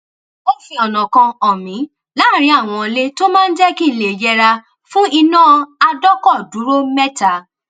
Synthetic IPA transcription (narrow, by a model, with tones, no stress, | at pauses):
o˦fĩ˧ɔ˨nɔ̃˨kã˧ɔ˨mĩ˨˦ | la˨˦˨ɾ̃ĩ˧˦a˦˨w̃ɔ̃˧le˦to˦mãː˦n̩˦d͡ʒɛ˦ki˦˨le˨d͡ʒɛ˧ɾa˧ | fũ˦i˧nãː˦a˧dɔ˦kɔ˦˨du˨˦ɾo˦mɛ˦ta˨